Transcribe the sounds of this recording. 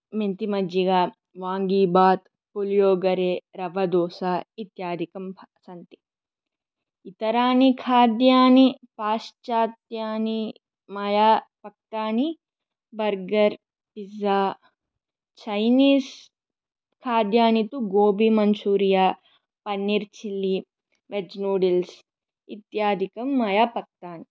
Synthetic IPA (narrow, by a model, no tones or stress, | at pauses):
ment̪imɐd͡ʒiɡaː | ʋaːŋɡiːbaːt̪ | poljoːɡɐɾeːɾɐʋɐd̪oːsaːit̪jaːd̪ʱikɐmsɐnt̪i̥ | it̪ɐɾaːnikʰaːd̪jaːnipaːʃt͡ʃaːt̪jaːni | mɐjaːpɐk̚ʈaːni | bɐɾɡɐɾ | pizaː | t͡ʃɐjniːs | kʰaːd̪jaːnit̪uɡoːbimɐnsuːɾijaː | pɐnːiɾt͡ʃilːi | ʋed͡ʒnuːɖils | ḭt̪jaːd̪ʱikɐmːɐjaːpɐk̚t̪aːni